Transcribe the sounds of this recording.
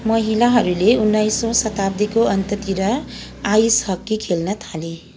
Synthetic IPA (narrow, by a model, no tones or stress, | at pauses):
mʌɦilaɦʌɾuleunːajsosʌt̪ab̚d̪ikoʌnt̪ʌt̪iɾʌ | ajshʌkːikʰelnʌt̪ʰale